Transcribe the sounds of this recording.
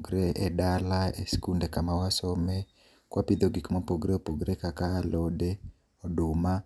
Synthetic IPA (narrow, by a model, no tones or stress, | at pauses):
ɡɾeʔedalaḛskundekamawasɔmɛ | kwapid̪oɡikmapoɡɾeopoɡɾekakaːlode | ɔdʊma